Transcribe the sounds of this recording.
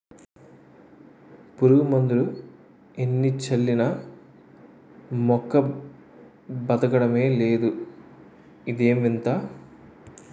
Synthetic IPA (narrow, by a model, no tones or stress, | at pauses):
puɾuɡumɐnd̪ulu | enːit͡ʃɐlːinɐ | mɔkːɐ | bɐd̪ɐɡɐɽɐme̞ːle̞ːd̪u | id̪eːmʋint̪aː